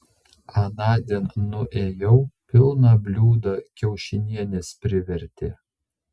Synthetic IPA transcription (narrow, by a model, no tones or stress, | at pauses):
ɑnɑːd̪ʲinːʊʔeːjɛʊpʲɪlˠnɐbʲlʲuːd̪ɐkʲɛʊʃʲɪnʲiɛnʲespʲɾʲɪʋʲɛɾʲt̪ʲe